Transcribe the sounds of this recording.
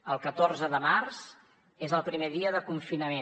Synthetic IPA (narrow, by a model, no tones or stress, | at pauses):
əlˠkət̪orzəðəmarz | ezəlˠpɾimeðiəðəkuɱfinəme